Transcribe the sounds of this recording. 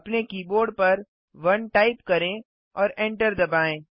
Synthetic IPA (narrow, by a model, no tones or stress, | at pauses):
ɐpnekiːboːɾɖ̚pɐɾ | ʋɐnʈaːɪpkɐɾẽ | ɔːɾẽːɳʈəɾd̪ɐbaːẽː